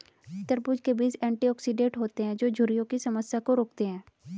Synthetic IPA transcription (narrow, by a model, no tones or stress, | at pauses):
ɪt̪ːəɾbud͡ʒkebiːt͡ʃɛ̃ːɳʈiɔːksiɖẽːʈɦoːt̪eɦɛ̃ːd͡ʒoːd͡ʒʱʊɾijõkisɐməsjakoɾoːk̚t̪eɦɛ̃ː